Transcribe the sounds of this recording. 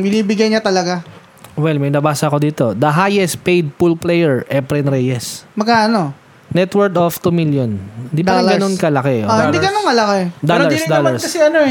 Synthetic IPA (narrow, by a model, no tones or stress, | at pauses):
bɪniːbɪɡɐjɲat̪ɐlɐɡa | wɛlmɛjnɐbaːsɐɐko̞d̪iːt̪o̞d̪ɐɦajɛst̪̚pejd̪̚pulplɛjɛɹʔɛpɾɛnɾɛjɛsmɐɡ̚kaʔɐno | nɛt̪wɛɹd̪oft̪umiljonhɪnd̪ipɐɐɡɐnonkɐlɐkɛʔohɪnd̪iɡɐnonkɐlɐkɛd̪olɐɹsd̪olɐɹsɐsɪɐnoɛ